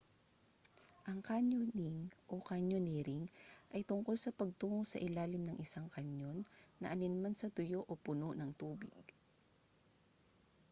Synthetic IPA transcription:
ʔɐŋkaɲonɪŋʔokaɲonɛɾɪŋʔɐjt̪ʊŋko̞lsɐpɐɡ̚t̪uːŋosɐʔɪlaːlɪmnɐŋʔɪsaŋkɐɲjo̞nːɐ̰ʔɐnɪnmansɐt̪ʊjo̞ʔopʊnoʔnɐŋt̪uːbɪɡ̚

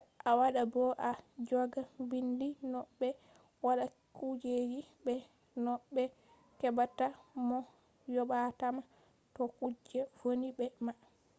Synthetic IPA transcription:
ʔawaɗabɔʔad͡ʒɔɡabindinɔɓːɛ | waɗa | kud͡ʒed͡ʒibɛ | nɔɓɛ | kɛbatamɔ | jɔɓatama | tɔkud͡ʒɛvoniɓɛma

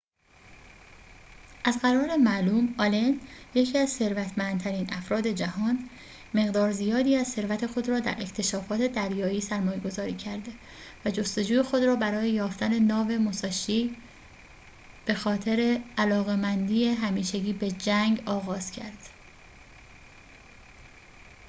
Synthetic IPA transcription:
ʔæzɢæɾɒːɾemæʔluːmɒlenje̞cʰiːæzse̞ɾvæt̪ʰmænd̪t̪ʰæɾiːnʔæfɾɒːd̪e̞d͡ʒæhɒːn | me̞ɣd̪ɒːɾzijɒːd̪iːæzse̞ɾvæt̪ʰe̞xo̞d̪ɾɒːd̪æ̰ɾe̞xt̪ʰe̞ʃɒːfɒːt̪ʰe̞d̪æɾjɒːiːsæɾmɒːje̞ɡo̞zɒːɾiːcʰæɾd̪e̞ | væd͡ʒo̞st̪o̞d͡ʒuːjexo̞d̪ɾɒːbæɾɒːjejɒːft̪æne̞nɒːve̞mosɒːʃiː | b̥e̞xɒːt̪ʰe̞ɾe̞ælɒːɣe̞mænd̪iːjeɦæmiːʃeɟiːbe̞d͡ʒæŋɡɒːɣɒːz̥cʰæɾd̪̥

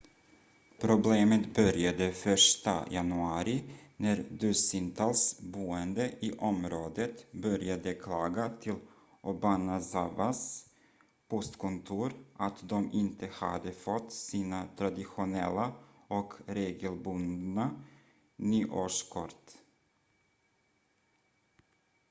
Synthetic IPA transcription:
pʰɾʊbleːmət̪bœɾjad̪əfœʂʈa̰janɵɑːɾɪnæɾd̪ʉsɪnt̪ʰɑlsbuːənd̪əɪʔɔmɾoːd̪ət̪bœɾjad̪əkʰlɑːɡat̪ʰɪl | ʔɔbanasavas | pɔst̪kʰʊnt̪ʰuːɾʔat̪d̪ɔmɪnt̪ʰəha̰d̪əfɔt̪ːsiːnat̪ʰɾad̪ɪɧʊnɛ̰lːaɔkɾeːɡəlbɵnd̪na | nyːʔoːʂkʰɔɾt̪

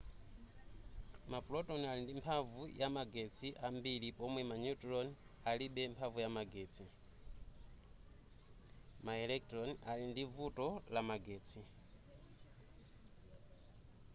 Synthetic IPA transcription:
mapulɔtɔnalindimpʰavujamaɡɛt͡sʰiʔambilipɔmwɛmaɲutɾɔnaliɓɛmpʰavujamaɡɛːt͡sʰi | maɛlɛk̚tɾɔnalindivutɔlamaɡɛːt͡sʰi

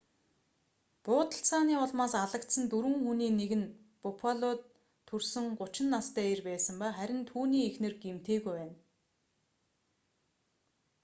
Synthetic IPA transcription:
pʊːt̪ə̆ɬt͡saːniːʊɮmaːsaɮə̆kt̪sə̆nt̪uɾwɘ̆ŋxuniːneɣɘ̆n | pʊpʰaɮʊːt̪ʰː | ɵrsɘ̆ŋɢʊt͡ɕɪ̆nːast̪æːerpæːsə̆mpaχæɾʲɪ̆nt̪ʰuːniːexnɘ̆rɡem̥t̪eːɣujwæːn

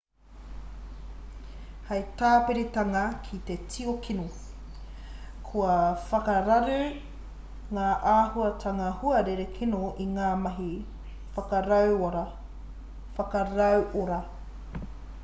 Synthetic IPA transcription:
hɐjtaːpeɾit̪ɐŋɐkʰit̪etʰiokʰino | kʰuɐfɐkɐɾɐɾʉ | ŋaːʔaːhuɐtʰɐŋɐhuɐɾeɾekʰinoʔiŋaːmɐɦi | fɐkɐɾɐwoɾɐ | fɐkɐɾɐwʔoɾɐ

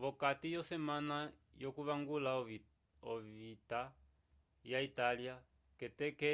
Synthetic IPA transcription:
βɔkatijɔsɛmana | jɔkuβaŋɡula | ɔvita | jaitalia | kɛtɛkɛ

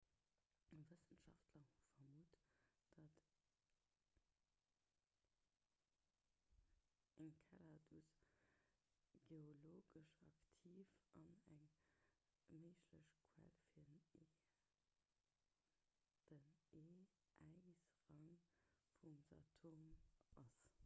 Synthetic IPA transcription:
vəsənʃɑftʰlɐfɐmuːtd̥ɑt | æŋkʰaladus | ɡ̥eoloːɡəʃɑktʰiːfɑnæŋ | məɪʃləɕkʰwɛ̰lfiːɐne | d̥əneː | ʔæɪsʁɑŋfumza̰tʰomʔɑs

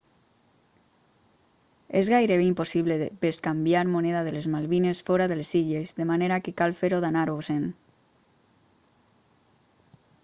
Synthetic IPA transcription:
ezɣajɾeβeimposiβleebeskambjaɾmoneðað̞elezmalβinesfɔɾaðelesiʎezðemaneɾakekalfeɾoðanaɾosen

